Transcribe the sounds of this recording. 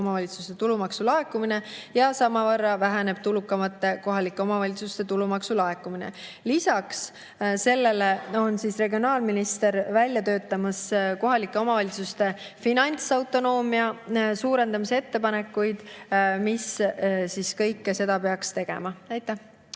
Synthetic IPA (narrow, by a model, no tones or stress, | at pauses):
omɑvɑlʲit̪su̥st̪e̞t̪ulumɑksulɑe̞kːumine̞jɑsɑmɑvɤrːɑvæɦæne̞b̥̚t̪ulukːˑɑmɑt̪ːe̞ko̞ɦɑlikːˑe̞o̞mɑvɑlʲit̪sust̪e̞t̪ulumɑksulɑe̞kːˑuminḛ | lisɑks | se̞lːe̞leo̞nsisre̞ɡio̞nɑːlminist̪e̞ɾvælʲːjɑt̪ø̞ːt̪ːˑɑmɑsko̞ɦɑlikːˑe̞o̞mɑvɑlʲit̪sust̪e̞ | finɑnʲt̪sɑwt̪ːˑo̞no̞ːmiɑsuːɾe̞nd̪ɑmisee̞t̪ːe̞pɑne̞kːujd̪̥missiskɤ̞jkːese̞d̪̥ɑpe̞ɑkst̪e̞ɡ̥e̞̰mɑæjt̪ːˑæh